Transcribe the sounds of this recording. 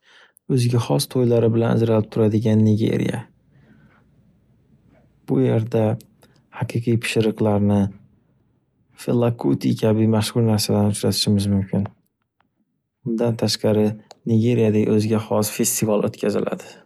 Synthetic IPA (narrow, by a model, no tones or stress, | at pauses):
ɵzɡʲahɒst̪ʰojlaɾɪbɪlana̰d͡ʒɾalɪp̚t̪ʰʊɾad̪ɪɡʲanːɪɡʲe̞̰ɾḭja̰ | b̥ʊje̞ɾd̪a | hɑqʰɨqʰɨjpʰɪ̥ʃɪɾɨqlˠaɾnɪ | felˠakʰut̪ʰikʲʰabɪmaʃhʊɾnaɾsad̪anʊt͡ʃɾat̪ʰɪ̥ʃɪmɪzmʊmkʲʰɪn | ʊnd̪ant̪ʰaʃqɑɾɪnɪɡʲe̞ɾijad̪aɡʲa̰ɵzɡʲahɒsfe̞st̪ʰivalˠʔo̰t̪kʲʰazɪ̰lʔa̰d̪ɪ